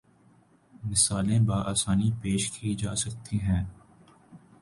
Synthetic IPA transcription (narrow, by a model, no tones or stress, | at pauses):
mɪsaːlẽbaːʔaːsaːnipeːʃkʰid͡ʒaːsɐk̚t̪iɦɛ̃ː